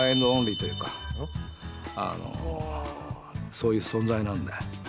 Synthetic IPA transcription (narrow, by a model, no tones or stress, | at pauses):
ẽnd̪oõnɾʲiːt̪ojɯ̟ːkḁ | a̰no̰ | so̞ːjɯ̟ːsõ̞nzainãnd̪e